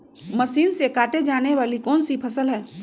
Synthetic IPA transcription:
mɐsiːnsekaːʈed͡ʒaːneʋaːlikɔːnsipʰɐsəlɦɛː

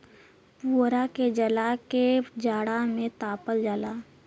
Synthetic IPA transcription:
puːɾaked͡ʒəlaked͡ʒaːɽamẽt̪aːpəld͡ʒaːlaː

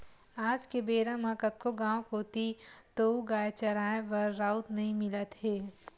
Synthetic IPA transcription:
aːd͡ʒkebeːɾãmãkɐt̪̚koɡãːkɦoːt̪it̪ouɡaːjt͡ʃɐɾaːẽʋɐɾːaːʊt̪nɐɦĩmɪlət̪ɦeː

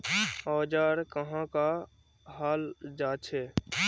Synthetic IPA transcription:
oːd͡ʒaːɾkəɦãːkaː | haːld͡ʒaːt͡ʃʰeː

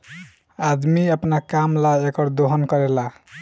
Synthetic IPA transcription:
ad̪miəpnakamlaekʌɾd̪oɦənkʌɾela

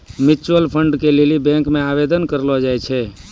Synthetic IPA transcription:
mɪt͡ʃwəlpʰəɳɖkelelibɛ̃ŋkmẽaːbed̪ənkəɾlɔd͡ʒaːjt͡ʃʰe

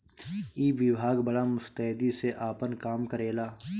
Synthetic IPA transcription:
iːʋɪbʱaːɡbəlamʊst̪əɦd̪iseʔaːpənkaːmkəɾeːlaː

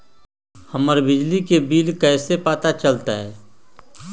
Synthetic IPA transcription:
hɐməɾbɪd͡ʒlikebiːlkɛːsepaːt̪at͡ʃɐlt̪aɦɛː

